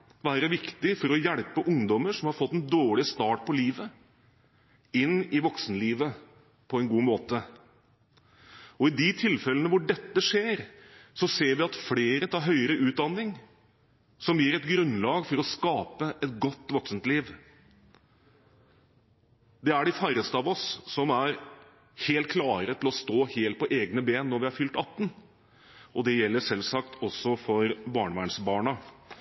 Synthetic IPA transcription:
ʋæːɾəʋɪkt̪ɪfɔɾɔjɛɽpəʔʊŋd̪ɔməʂɔmhɑɾfɔt̪ːɛnd̪oːɭɪst̪ɑːʈ̚pʰɔliːʋə | ɪnːɪʋɔksənliːʋə | pʰɔɛnɡuːmoːt̪ə | ɔɪd̪ɪt̪ʰɪlfɛlːənəʋʊɖɛt̪ːəʂeːɾsɔseːɾʋɪɑt̪fleːɾət̪ʰɑːɾɦœʏəɾəʔʉːt̪̚d̪ɑnːɪŋ | sɔmjiːɾɛt̪ɡɾʉnlɑːɡfɔɾɔskɑːpəʔɛt̪̚ɡɔt̪ːʋɔksənt̪liːʋ | d̪ɛæɖɪfæɾəst̪əɑʋɔsːɔmæɾ | heːlt̪̚kʰlɑːɾət̪ʰɪlɔst̪oːheːlt̪̚pʰɔʔeːɡnəbeːnːɔɾʋɪæɾfʏlt̪ɑt̪ːn | ʔɔd̪ɛjɛlːəʂɛlsɑkt̪ʰɔsɔfɔɾbɑːɳəʋæːɳsbɑːɳɑ

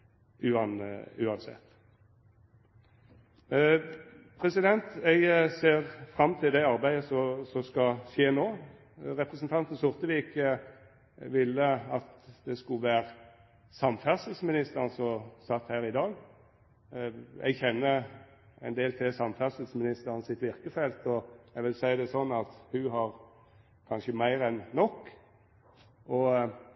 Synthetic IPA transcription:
ʉːnʉːɑnsɛ̰t̪ | pʰʁɛsɪd̪ɛnt̪ɛɪɡseːʁfʁɑmːt̪ʰɪld̪ɛɑʁbæɪəsɔsɔskɑʃeːnoː | ʁɛpʁɛsnt̪ʰɑnt̪n̩sʊʁt̪əʋiːɪkːə | ʋɪlːəɑt̪d̪ɛskʉʋæːʁ | sɑmfæʁsəlsmɪnɪst̪əʁnsɔsɑt̪ːhæːʁɪd̪ɑːɡ | ʔɛ̰ɡçɛnːə | ɛnd̪eːlt̪ʰɛsɑmfæʁsl̩smɪnɪst̪əʁənsɪt̪ʋɪʁkəfɛlt̪ɔɛɡʋɪlsæɪɑd̪ɛsɔnːɑt̪hʉɦɑʁ | kʰɑnʃəmæɪɾɛnːɔkː | ʔɔ

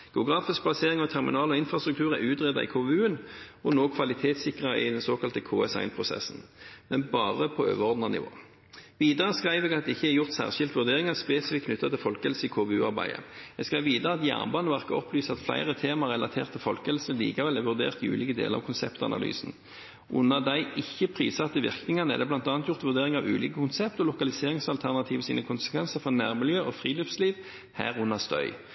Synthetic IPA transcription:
ɡ̥ɛʊɡʁɑːfɪsk̚blɑseːʁɪŋɔt̪ʰæʁmɪ̰nɑːlɔɪnfʁɑst̪ʁʉk̚t̪ʰʉːʁæʉːt̪ʁɛd̪ɑ̰ɪ̰kʰoːʋɛʉːənɔnoːkʰʋɑlɪt̪ʰeːt̪sɪkʁɑʔɪ̰d̪ɛnsoːkɑlt̪əkʰoːɛsɑ̰ɪnpʰʁʊsɛ̰sn̩mɛnbɑːʁəpʰɔø̰ːʋəʁɔʁd̪nɑnɪ̰ʋo̰ː | ʋiːd̪əʁəskʁæɪʋɛːɡɑt̪̚d̪ɛɪçːəæjʊʁt̪sæ̰ːʁʃɪlt̪ʋʉʁd̪eːʁɪŋɑspeːsɪfɪkʰnʏt̪ːɑt̪ʰɪlfɔlkɛlsəɪkʰoːʋɛʉːɑʁbæ̰ɪə̰ɛɡskʁæɪʋiːd̪əʁəɑt̪jæ̰ːʁnbɑːnəʋæʁkəɔ̰plyːsɑt̪flæ̰ɪʁət̪ʰeːmɑʁɛlɑ̰t̪ʰḛːʁt̪ʰːɪlfɔlkəɛlsəlḭːkɑʋɛlɛʋʉʁd̪ḛːʁt̪ɪʉ̰ːliːkəd̪ḛːləʁɑ̰kʰʊnsɛpt̪ɑ̰nɑ̰ly̰ːsn | ʔʊ̰nːɑd̪æɪʔɪçːəpʰʁḭːsɑt̪ːəʋɪ̰ʁknɪŋɑnəɛ̰d̪ɛblɑnt̪ɑːnt̪jʊʁt̪ʋʉʁd̪eːʁɪŋɑʋʉ̰ːliːkəkʰʊnsɛpt̪ɔlʊkɑlɪseːʁɪŋsɑlt̪ʰæʁnɑt̪ʰiːʋəsḭːnəkʰʊnsə̥kʰʋɛnsəʁfɔʁnæːʁmɪljøːʔɔfʁiːløfsliːʋ | hæ̰ːʁʊnːɑst̪œ̰ʏ

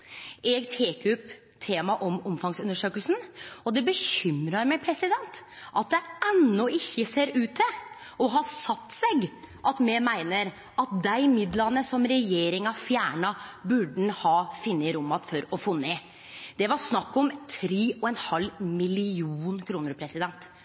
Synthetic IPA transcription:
ʔɛɡt̪ʰeːkʉp | t̪ʰeːmɑʔɔmɔmfɑŋsʉnːəʂøːkəlsn̩ɔd̪ɛbəçʏmɾɑɾmɛɪpʰɾɛsɪd̪ɛnt̪ʔɑt̪̚d̪ɛɛnːɔɪçːəseːɾʉːt̪̚d̪ɛ | ɔɦɑsɑt̪ːsɛɡ | ʔɑt̪mɛmæɪnəɾ | ɑt̪̚d̪æɪmɪd̪lɑnəsɔmɾɛjeːɾɪŋɑfjæːɳɑbʉɖn̩hɑːfɪnːəɾʊmːɑt̪fɔɾɔfɔːnːə | d̪̥ɛʋɑɾsnɑkːɔmt̪ʰɾiːɔɛnhɑlːmɪlɪuːnkʰɾuːnəɾpʰɾɛsɪd̪ɛnt̪

